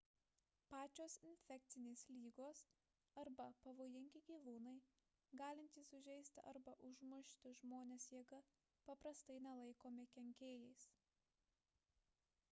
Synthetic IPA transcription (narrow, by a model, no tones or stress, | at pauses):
pɑːt͡ʃʲoːsɪnʲfʲɛk̚ʲt̪sʲɪnʲeːslʲiːɡoːs | ɐɾbɐpɐʋoːjɪŋʲɡʲɪɡʲiːʋuːnɐɪ | ɡɑːlʲɪnʲt̪ʲiːsʊʒʲɛɪsʲt̪ʲɪɐ̰ɾbɐʔʊʒmʊʃʲt̪ʲɪʒmoːnʲeːsjɛːɡɐ | pɐpɾɐst̪ɐɪnʲɛlˠɐɪkoːmʲɪkʲɛŋʲkʲeːjɛɪs